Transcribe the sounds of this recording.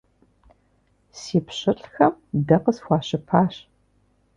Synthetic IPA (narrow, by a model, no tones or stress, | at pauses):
siːpɕɪɬʼxɐmdɐqəsxʷɑːɕɪpʰaːɕ